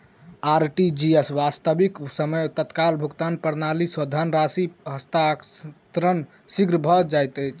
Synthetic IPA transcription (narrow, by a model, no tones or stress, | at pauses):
aɾʈid͡ʒiesʋast̪əbiksəməjt̪ət̪kalbʱukt̪anpəɾnalisəd̪ʱanɾasiɦəst̪at̪ɾən | siɡɾbʱɔd͡ʒajt̪əjt͡ʃʰ